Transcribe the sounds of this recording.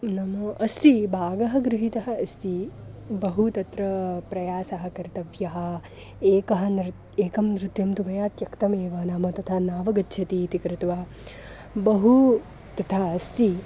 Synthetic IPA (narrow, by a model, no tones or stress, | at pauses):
nɐmɐʔɐst̪ibʱaːɡɐɦɐ̆ɡɾɪɦit̪ɐɦɐ̆ɐst̪ibɐɦut̪ɐt̪ɾɐpɾɐjaːsɐɦɐ̆kɐɾt̪ɐʋjɐɦɐ̆ | eːkɐɦɐ̆n | eːkɐmnɾɨt̪jɐmt̪umɐjaːt̪jɐkt̪ɐmeːʋɐnaːmɐt̪ɐt̪ʰaːnaːʋɐɡɐtːʃʰɐt̪iːt̪ikɾɨt̪ʋaː | bɐɦu | t̪ɐt̪ʰaːɐst̪i